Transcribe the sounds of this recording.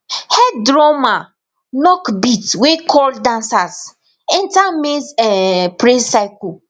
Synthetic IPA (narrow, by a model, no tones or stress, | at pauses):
hɛdɾɔma | nɔkbitwekʰɔldãnsas | ɛ̃ntamesɛpɾesaɪku